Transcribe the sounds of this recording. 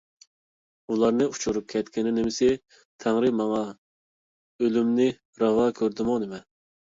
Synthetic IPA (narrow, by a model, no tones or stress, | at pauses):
ulˠɑɾnɨu̥t͡ʃʰuɾup̚kʲʰɛt̪kʲɪnɪnɪmɪsɪ | t̪ʰæŋɾɨmɑŋɑ | ølymnɪ | ɾɑvɑkʲʰøɾd̪ɪmʊnɪmɛ